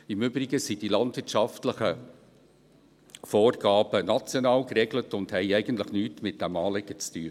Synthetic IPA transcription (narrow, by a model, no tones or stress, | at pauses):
ɪmʏbɾɪɡəsid̥ilɑndvɪːtʃɑftləχə | foːrɡɑːbənɑt͡sjonɑːlkrɛɡlətʊndhɛɪɛɪɡəntləχnyːtmɪt̚d̥ɛmɑːlɪɡ̥ət͡styːə